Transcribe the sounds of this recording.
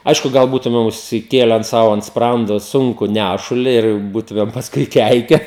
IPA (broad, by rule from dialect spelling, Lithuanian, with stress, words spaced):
ˈɐɪʃkʊ ˈɡɐlˠ ˈbuːtʊmʲɛm ʊʃʲsʲɪˈkʲeːlʲɛn ˈsɐʊ ɐnt ˈsprɐndoː ˈsʊŋkʊ ˈnʲæʃʊlʲɪ ɪr ˈbuːtʊmʲɛm pɐsˈkʊɪ ˈkʲɛɪkʲɛ